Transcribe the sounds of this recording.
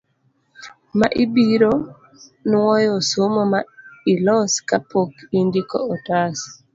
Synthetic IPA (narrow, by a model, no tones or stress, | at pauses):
maʔibiɾo | nwɔjɔsomomailɔskapokindikɔ̰ɔtas